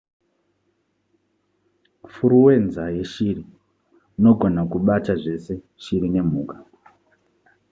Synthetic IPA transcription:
fuɾuwe̞nzaje̞ʃiri | no̞ɡʱo̞nakuɓataʐe̞se̞ | ʃiɾine̞m̤uːkḁ

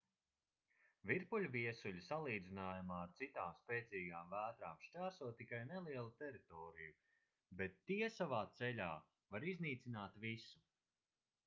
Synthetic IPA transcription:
vʲiɾpulʲviɛsuʎʲisalˠiːd̪zinaːjamaːɾt̪sit̪aːmspɛːt̪ziːɡaːmvæːt̪ɾaːmʃt͡ʃʲaːsuɔt̪ːikajnɛlˠiɛlˠut̪ɛɾit̪ɔːɾiju | bɛt̪ːiɛsavaːt̪sɛlʲaː | vaɾizniːt̪sinaːt̪visu̥

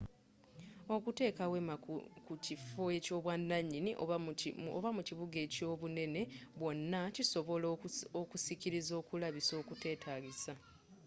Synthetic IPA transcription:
o̞kute̞ːkawemakucifoeco̞βwanːaɲːiniʔoo̰βamuciβuɡe̞ːco̞ːβune̞ne̞βwo̞nːaciso̞βo̞lokusiciɾizo̞ːkulaβiso̞ːkute̞ːtʰaːɡisa

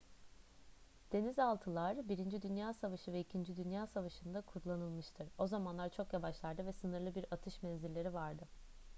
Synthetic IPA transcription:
d̪̥e̞nizalˠt̪ʰɯlˠaɾbiɾind͡ʒid̪ynjaːsavaʃɯvɛicʰind͡ʒid̪ynjaːsavaʃɯnd̪akʰuɾlˠanɯlˠmɯʃt̪ʰɯɾo̞zamanlˠaɾt͡ʃʰo̞kjavaʃlˠaɾd̪ɯvɛsɯnɯɾlˠɯbiɾat̪ʰɯʃmɛnziɾlʲe̞ɾivaɾd̪ɯ

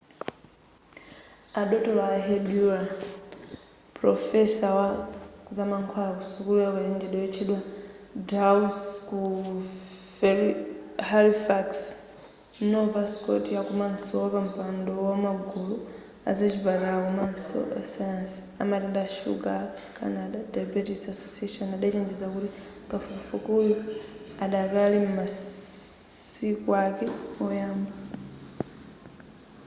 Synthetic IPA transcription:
aɗɔtɔlaːɦedua | pɾɔfɛsawazamaŋkʰwalakusukulaɔkaindɛɗɔɛt͡ʃʰɛɗwa | dausku | halifaks | nɔvaskɔ̰tijakumansɔwɔpam̩pandɔwɔmaɡʱulu | a̰zet͡ʃiβaɾalakumanso̰ʔḛsansi̥ | a̰matendaʃṵɡa | ka̰nadadabutiksasosiaʃonadet͡ʃeːɲd͡ʒezakuɾi | kafukafukujo | adakalimuma | ikwakeojaːmba

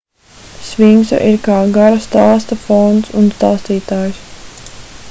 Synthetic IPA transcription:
sviŋsa̰ʔiɾkaːɡaɾast̪aːst̪afɔnt̪sunst̪aːst̪iːt̪aːjs

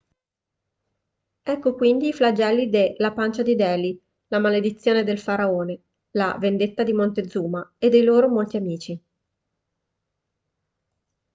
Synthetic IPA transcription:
ɛkːokwind̪iːflad͡ʒɛlːid̪elapant͡ʃad̪id̪ɛːli | lamaled̪it̪sːjoːned̪elfaɾaoːne | la̰vend̪et̪ːad̪imont̪ed̪zːuːmaed̪ːejloːɾomolt̪iamiːt͡ʃi

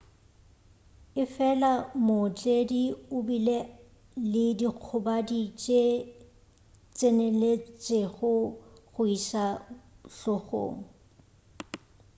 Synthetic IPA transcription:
ɪfɛlamʊt͡ɬʼediʊbile | lɪdiq͡χʰʊbadit͡ʃʼe | t͡sʼenelet͡sʼeɣʊɣʊisaɬɔɣo̰ːŋ̩

